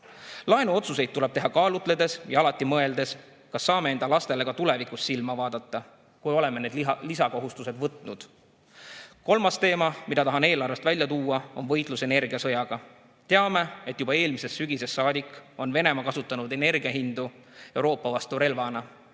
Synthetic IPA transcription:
lɑenuo̞t̪suse̞jd̪̚t̪ːule̞b̥̚t̪e̞ɦɑkɑːlut̪ˑle̞d̪̥e̞sjɑɑlɑt̪ːˑimɤe̞ld̪e̞s | kɑsːɑːme̞e̞nd̪̥ɑlɑst̪e̞le̞kɑt̪ule̞vikˑusːilmɑvɑːd̪ɑt̪ˑːɑ | kujo̞leme̞ne̞d̪lisɑko̞ɦust̪use̞d̪̥vɤt̪ˑnud̪̥ | ko̞lmɑst̪e̞ːmɑmid̪ɑt̪ɑɦɑne̞ːlɑrvest̪vælʲjɑt̪uːɑo̞nvɤ̞jt̪ˑluse̞ne̞rɡ̥iɑsɤ̞jɑɡ̥ɑ | t̪e̞ɑme̞et̪ːˑjubɑe̞ːlmise̞sːyɡ̥ise̞sːɑːd̪ikˑːo̞nve̞ne̞mɑkɑsut̪ˑːɑnud̪e̞ne̞rɡ̥iɑɦind̪̥u | e̞wɾo̞ːpːˑɑvɑst̪uɾe̞lvɑnɑ

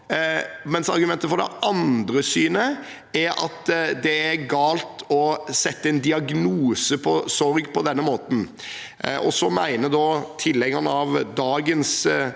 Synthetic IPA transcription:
mɛnsɑɾɡʉmɛnt̪əfɔɾd̪ɛ̰ʔɑnd̪ɾəsyːnə | æɾɑ̰t̪d̪ɛæɾɡɑːlt̪ʰɔsɛt̪ːəɛnd̪ɪɑɡnuːsəpʰɔsɔɾɡpʰɔd̪ɛnːəmoːt̪n̩ | ɔsɔmæɪnəd̪ɔːt̪ʰɪlːɛŋːɑnɑʋd̪ɑːɡəns

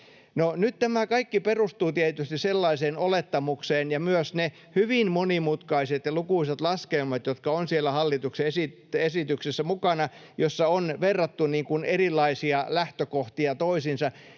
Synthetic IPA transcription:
nonytt̪æmækɑikːiperust̪uːt̪iet̪yst̪isselːɑiseːnolet̪ːɑmukseːnjɑmyøsne | hyʋinmonimut̪kɑiset̪jɑlukuiset̪lɑskelmɑt̪jot̪kɑonsielːæhɑlːit̪ukseesi | esit̪yksesːæmukɑnɑjosːɑonʋerːɑt̪ːuniːŋkunerilːˑɑisiɑlæht̪økoht̪iɑt̪oisinsɑ

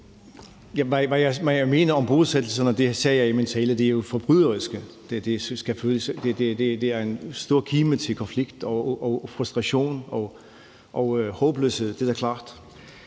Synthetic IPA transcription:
jæʋæʋæjɑɪʋæjme̝ːnɐɒ̽mb̥o̝ːðˠsed̥l̩sɐnɒd̥e̝sɛːjɑ̈ɪment͡sʰɛ̰ːləd̥e̝æɐjo̝fɒ̽b̥ʁyðˠɐʁisɡ̥ə | d̥ed̥e̝sɡ̥æføːləsd̥e̝d̥ed̥e̝d̥e̝æɐe̝nsd̥o̝ɐ̰kʰiːmət͡sʰe̝lkʰɒ̽nfliɡ̥d̥ɒɒfʁusd̥ʁɑ̈ɕo̝̰ːnɒ̽ | ʔɒ̽ʊhɔ̽ːb̥lø̰she̝ð̰ˠd̥ed̥æɐkʰlɑ̰̈ːd̥

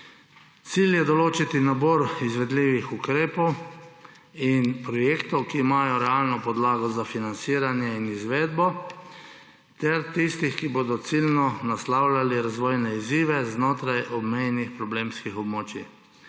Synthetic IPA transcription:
t̪siljɛd̪ɔloːt͡ʃit̪inabɔɾizʋɛd̪liːʋixukɾeːpɔw | inpɾɔjeːkt̪ɔwkiːmaːjɔɾɛalnɔpɔd̪laːɡɔzafinant̪siːɾanjɛinizʋeːd̪bɔ | t̪ɛɾt̪ist̪ixkiboːd̪ɔt̪silnɔnaslawlaliɾazʋɔːjnɛiziːʋɛznoːt̪ɾajʔɔbmɛjnixpɾɔbleːmskixɔbmoːt͡ʃi

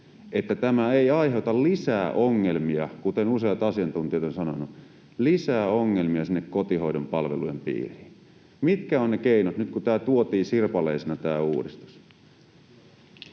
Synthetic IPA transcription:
et̪ːæt̪æmæeiɑiɦeut̪ɑllisæːʔoŋːelmiɑkut̪enusejɑt̪ɑsiɑnt̪unt̪iɑt̪onsɑnonu | lisæːoŋːelmiɑsinːekkot̪ihoidompɑlʋḛlujempḭːriːn | mit̪kæonnekeinot̪nyt̪kut̪æːt̪uot̪iːsirpɑleisenɑt̪æːṵːdist̪u̥s

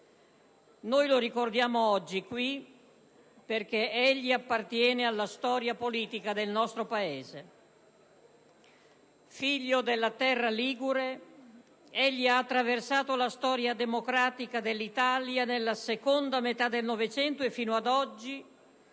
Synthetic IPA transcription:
nojloɾikord̪jaːmoɔd͡ʒːikwi | perk̟eeʎːiapːart̪jɛːnealːast̪ɔːɾjapoliːt̪ikad̪elnɔst̪ɾopaeːze | fiʎːod̪elːat̪ɛrːaliːɡuɾe | eʎːiaːt̪ːɾaversaːt̪olast̪ɔːɾjad̪emokɾaːt̪ikad̪elːit̪aljanelːasekond̪amet̪ad̪ːelnɔvet͡ʃɛnt̪oefːiːnoad̪ɔd͡ʒːi

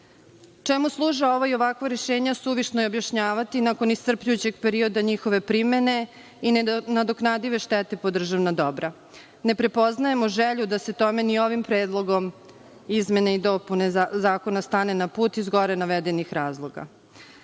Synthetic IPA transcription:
t͡ʃemuslˠuːʒao̞ʋoio̞ʋakʋaɾeʃeːɲasuʋiʃnojobjaʃɲaːʋat̪inako̞nist̪r̩pʎujut͡ɕe̞ɡpe̞ɾio̞d̪aɲixo̞ʋe̞pɾime̞ne̞ | inad̪oknad̪iʋe̞ʃt̪ɛt̪e̞pod̪r̩ʒaʋnad̪o̞bɾa | ne̞pɾe̞po̞znaje̞moʒeʎud̪ase̞t̪ome̞nio̞ʋimpɾeːd̪lˠo̞ɡo̞m | izme̞neid̪o̞punezaːko̞nast̪aːne̞napuːt̪izɡo̞ɾenaʋed̪e̞nixɾaːzlˠo̞ɡa̰

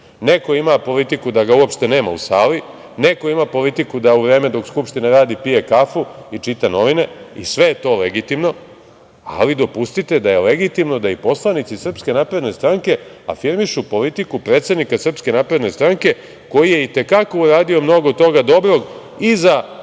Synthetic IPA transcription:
ne̞ko̞imapo̞lit̪ikud̪aɡauopʃt̪ene̞ːma̰ṵsaːli | ne̞ko̞imapo̞lit̪ikud̪auʋɾe̞ːme̞d̪o̞kskupʃt̪inaɾaːd̪ipije̞kafuit͡ʃit̪ano̞ʋine̞ḭsʋe̞jet̪o̞ːleɡit̪imno̞ | a̰lid̪o̞pust̪it̪e̞d̪ajeleɡit̪imno̞d̪aipo̞slˠanit̪sisr̩pske̞naːpɾe̞d̪ne̞st̪ɾaŋke̞a̰fiɾmiʃupo̞lit̪ikupɾeːt̪se̞d̪nikasr̩pske̞naːpɾe̞d̪ne̞st̪ɾaŋke̞ | ko̞jije̞it̪e̞kako̞uɾaːd̪io̞mno̞ɡo̞t̪o̞ɡad̪o̞bɾo̞ɡ | iza

